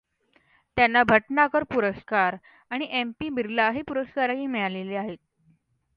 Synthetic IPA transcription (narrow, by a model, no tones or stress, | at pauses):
t̪janːabʱəʈnakəɾpuɾəskaɾ | aɽ̃iʔempiːbiɾlaɦepuɾəskaɾaɦiːmɛɭaleleaɦet̪̚